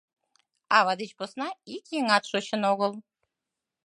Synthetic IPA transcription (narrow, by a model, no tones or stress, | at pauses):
ɑβɑd̪ɨt͡ɕposnɑikjiŋɑt̪ʃoɕə̆noɣəlˠ